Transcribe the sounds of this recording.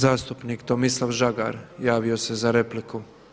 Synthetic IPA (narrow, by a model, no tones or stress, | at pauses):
zaːst̪upniːkt̪omislˠafʒaɡa̰ɾjaːʋio̞se̞zaɾe̞pliku